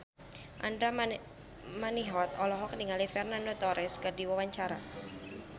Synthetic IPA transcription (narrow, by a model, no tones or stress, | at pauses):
ʔandɾa | maniɦɔt̪ɔlɔɦɔkəniŋalifɛrnandot̪ɔɾɪskədiwawaɲt͡ʃaɾa̰